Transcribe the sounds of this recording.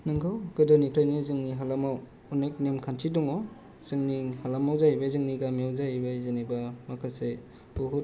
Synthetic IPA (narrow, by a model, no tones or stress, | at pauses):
nɯŋkʰɯwɡ̥ɯdɔnipʰɾajnizɯŋniɦalamaw | unejk̚nemkʰantʰidɔŋɔ | z̥ɯŋnihalamawzajibazɯŋniɡamiawzaibazanibamakʰase | buɦut̚